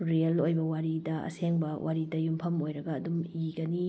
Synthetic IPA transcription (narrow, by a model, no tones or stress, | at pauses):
ɾelojbɐwaɾidɐɐ̰seŋbɐwʔaɾidɐjumpʰɐmojɾɐɡɐːdumiɡɐni